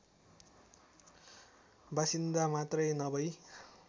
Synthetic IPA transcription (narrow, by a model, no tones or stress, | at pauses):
basind̪amat̪rʌjnʌbʌj